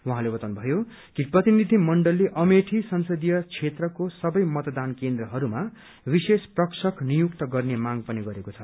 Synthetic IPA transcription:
wuɦãlebʌt̪awnubʱʌjo | kiprʌt̪inid̪ʱimʌɳɖʌlːeʔʌmeʈʰisʌnsʌd̪ijʌt͡sʰet̪rʌkosʌbʌjmʌt̪ʌd̪ankend̪rʌɦʌɾuma | bisesprʌksʌknijukt̪ʌɡʌrnemaɡpʌniɡʌɾekot͡sʰʌ

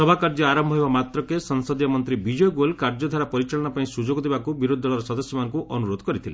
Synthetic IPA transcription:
sɔbʱakaɾd͡ʒɔaɾɔmbʱɔɦebamat̪ɾɔkesɔŋsɔd̪jɔmɔnt̪ɾibid͡ʒɔjɡolkaɾd͡ʒɔd̪ʱaɾapɔɾit͡ʃaɭɔɽ̃ɔpaĩsud͡ʒoɡɔd̪ebakubiɾod̪ʱːɔɭɔɾɔsɔd̪ɔsjɔmanŋkuʔɔnuɾod̪ʱɔkɔɾit̪ʰile

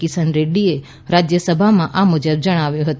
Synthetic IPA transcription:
kisənɾeɖlie | ɾad͡ʒjəsəbʱamãʔamud͡ʒəbd͡ʒəɽ̃aʋjũɦət̪u

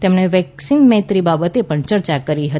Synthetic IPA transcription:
t̪emneʋɛksinmɛ̃t̪ɾibabət̪epəɳt͡ʃəɾt͡ʃakəɾiɦət̪

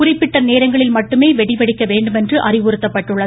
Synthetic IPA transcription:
ʊrɪpːɪʈːɐneːɾɐŋɡɐɭɪlmɐʈːɯmeːʋɛɽɪpɐɽɪkːɐʋeːɳɖɯmɛndrɯʔɐrɪʋʊɾɯt̪ːɐpːɐʈːɯɭːɐ

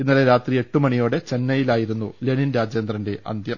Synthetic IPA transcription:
inːɐleɾaːt̪rie̞ʈːumɐɳijo̞ːɽe̞t͡ɕe̞nːɐjilaːjiɾunːule̞ɳinɾaːd͡ʑjend̪rɐnde̞ʔɐ̰nd̪ʱjɐm

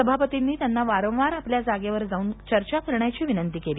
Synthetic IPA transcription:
əbʱapət̪inːiːt̪janːaʋaɾə̃w̃ʋaɾapljad͡zaɡjaʋəɾd͡zauːnt͡ɕəɾt͡ɕakəɾɳjat͡ɕiːʋinənt̪iːkeliː

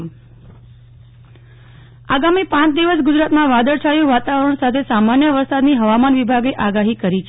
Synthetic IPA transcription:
aɡamipãt͡ʃd̪iʋəs̬ɡʊd͡ʒɾat̪mãʋad̪əɾt͡ʃʰajũʋat̪aʋəɾəɳsat̪ʰesamanjəʋəɾsad̪niɦəʋamanʋibʱaɡeʔaɡaɦikəɾit͡ʃʰ

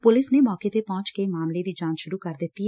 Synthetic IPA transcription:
pʊlɪsneːmɔːket̪epɔ̃ːt͡ʃkemaːmled̪iːd͡ʒãːnʃʊɾuːkəɾd̪ɪt̪ːiɛ

